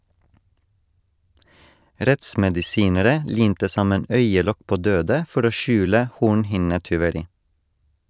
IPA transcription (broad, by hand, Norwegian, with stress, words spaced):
ˈɾɛtsmɛdɪˌsiːnəɾə ˈliːmtə ˈsɑmən ˈœʏəˌlɔk ˈpoː ˈdøːdə ˈfɔɾ ˈoː ˈʃʉːlə ˈhuːɳhɪnətʏʋəˌɾiː